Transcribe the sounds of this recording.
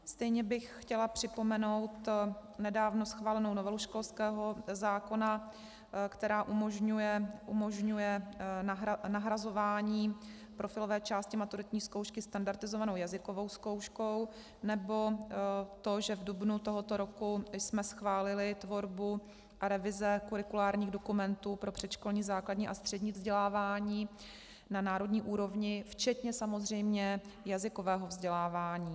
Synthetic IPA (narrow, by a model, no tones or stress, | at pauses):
st̪ɛjɲɛbɪxxcɛlapr̝̥ɪpo̞mɛno̞wt̪nɛdaːvno̞sxvaːlɛno̞wnovɛluʃko̞lskɛːɦo̞zaːko̞na | kt̪ɛɾaːʔumoʒɲujɛʔumo̞ʒɲujɛ | naɦɾazo̞vaːɲiː | pɾʔofɪlovɛːt͡ʃaːscɪmat̪uɾɪt̪ɲiːskowʃkɪst̪andaɾt̪ɪzovano̞wjazɪko̞vo̞wsko̞wʃko̞w | nɛbo̞t̪o̞ʒɛvdubnut̪o̞ɦo̞t̪o̞ɾo̞kusmɛsxvaːlɪlɪt̪vo̞ɾbu | aɾɛvɪzɛkuɾɪkulaːɾɲiːɣdo̞kumɛnt̪uːpɾo̞pr̝̥ɛt̪t͡ʃko̞lɲiːzaːkladɲiːʔast̪r̝̥ɛdɲiːvzɟɛlaːvaːɲiː | nanaːɾo̞dɲiːʔuːɾo̞vɲɪft͡ʃɛt̪ɲɛsamo̞zr̝ɛjmɲɛjazɪko̞vɛːɦovzɟɛlaːvaːɲiː